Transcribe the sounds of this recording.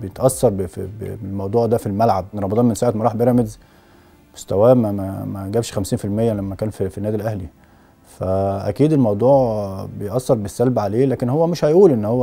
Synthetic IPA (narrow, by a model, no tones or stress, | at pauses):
bejet̪ʔæsːɑɾˤbefibḛelmɑwd̪ˤuːʕd̪æfilmælʕabɾˤɑmɑd̪ˤɑːnmensaːʕet̪mæɾˤɑːħbeɾˤæmez | mo̥st̪æwæːmæmæmæɡæbʃxæmsiːnfilmejːælæmːækæːnfifinːæːd̪ilʔæhli | fæʔæ̰kiːd̪elmɑwd̪ˤuːʕbejʔɑsːɑɾˤbesːælbʕaleːlæːkenhowːæmeʃhæjʔuːlʔenːhowːæ